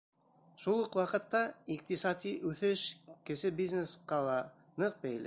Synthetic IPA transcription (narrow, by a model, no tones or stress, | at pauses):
ʃulˠuqwɑqɤ̆t̪ːɑiq̚t̪isɑd̪iʔʉθɘʃkɘ̆sɘbiznesqɑlˠɑ | nɤq̚bæjlɘ̰